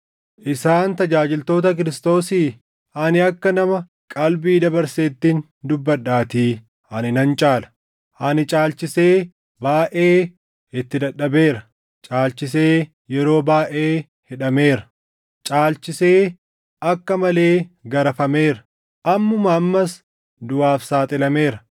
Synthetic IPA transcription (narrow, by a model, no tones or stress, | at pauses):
ʔɪsaːnt̪ɐd͡ʒaːd͡ʒɪlt̪o̞ːt̪̬ɐk̬ɪɾɪst̪o̞ːsiː | ʔɐnɪɐkːɐnɐmɐ | kʼɐlbiːd̪ɐbɐɾseːt̪ːiːn | d̪ʊbːɐɗːaːt̪iː | ʔɐnɪnɐnt͡ʃʼaːlɐ̥ | ʔɐnɪt͡ʃʼaːlt͡ʃɪse̞ː | baːʔeː | ɪt̪ːɪd̪ɐɗːɐbe̞ːɾɐ | t͡ʃʼaːlt͡ʃɪs̬eː | jɛɾo̞ːbaːʔeː | hɪᶑɐme̞ːɾɐ | t͡ʃʼaːlt͡ʃɪseː | ɐkːɐmɐle̞ːɡɐɾɐfɐme̞ːɾɐ | ʔɐmːʊmɐːmːɐs | d̪ʊaːfsaːt̪ʼɪlɐme̞ːɾɐ